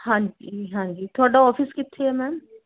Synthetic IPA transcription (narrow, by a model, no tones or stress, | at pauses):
hãɲd͡ʒiɦãːd͡ʒit̪ʰoːɽaɔːfiskɪt̪ʰːeɛmɛːm